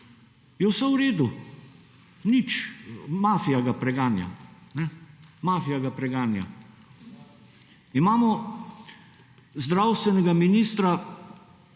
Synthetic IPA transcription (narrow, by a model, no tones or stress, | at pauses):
jɔwsauɾeːd̪u | nit͡ʃmaːfijaɡapɾɛɡaːnja̰nɛmaːfijaɡapɾɛɡaːnja̰ | imaːmɔ | zd̪ɾawst̪ʋɛnɛɡaminiːst̪ɾa